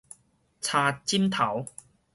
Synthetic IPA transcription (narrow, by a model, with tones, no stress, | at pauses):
t͡sʰaː˧t͡ɕi˥mt̪ʰɐ˨˩˦w